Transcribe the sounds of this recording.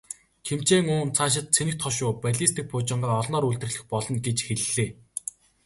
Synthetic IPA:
kʰem̥t͡ɕeːŋʊːnt͡sʰaːʃ̬ɪ̆t̪̚t͡sʰenɘ̆xt̪ʰɔʃʊːpæɮist̪ʰiːk̚pʰʊːt͡ɕɪ̆ɴɢaːɔɮnɔːɾuɮt̪ɘ̆rɮɘ̆xpɔɮɞ̆nɡet͡ɕxeɮɮeː

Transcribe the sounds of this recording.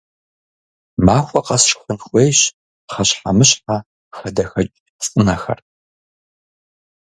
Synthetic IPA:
maːxʷʼɔqɐsʂxʷʊnxʷʼejɕ | χɐɕħamɨɕħa | xɐdɐxɐt͡ʃʼ | t͡sʼɨnɐxɐ̰r

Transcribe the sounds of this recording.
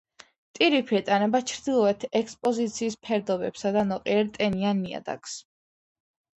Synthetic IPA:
t̪ʼiɾipʰiɛt̪ʼanɛbat͡ʃʰɾd̪ilˠɔɛt̪ʰɛkspʼɔzit̪sʰiːspʰɛɾd̪ɔbɛpsad̪anɔqʼiɛɾt̪ʼɛnianːia̰d̪a̰ks

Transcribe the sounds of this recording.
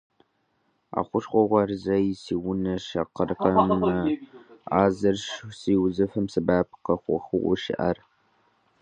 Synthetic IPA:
a̰ːχʷʊʂχʷɔʁʷɐrzɐjɪsiːwʊnɐʂɐqərɨqɐmɨ | aːzɐrʂsiːwzɨfɨmsɨbaːpʰqɐχʷɔ̰χʊʔʷʊʃɪ̰ʔɐ̰r

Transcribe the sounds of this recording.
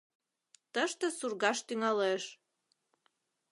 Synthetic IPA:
t̪əʃt̪ə̆surɣɑʃt̪yŋɑleʃ

